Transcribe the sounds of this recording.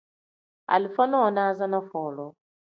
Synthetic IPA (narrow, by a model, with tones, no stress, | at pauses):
a̰˨li˨fa˦nɔ˦˨na˦za˦na˦fɔː˨lɔ˨